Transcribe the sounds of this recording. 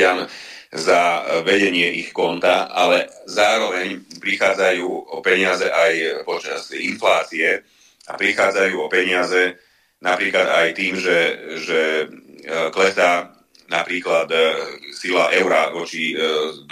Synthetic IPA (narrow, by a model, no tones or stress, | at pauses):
amzaʋɛɟɛɲɪɛʔixkɔnt̪aa̰lɛzaːɾɔʋɛɲpɾixaːd͡zajuːɔpɛɲɪazɛʔajpɔt͡ʃa̰z̥inflaːt͡siɛ | apɾixaːd͡zajuːɔpɛɲɪazɛ | napɾiːklad̪ajt̪iːmʒɛʒɛ | klɛsaː | napɾiːklad̪silaːʔɛʊɾaʋɔt͡ʃid̪